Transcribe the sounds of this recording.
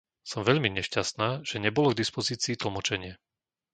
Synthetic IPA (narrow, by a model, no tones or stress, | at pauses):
sɔmʋɛʎmiɲɛʃcast̪naːʒ̥ɛɲɛbɔlɔɡd̪ispɔziːt͡siːt̪l̩mɔt͡ʃɛɲɪɛ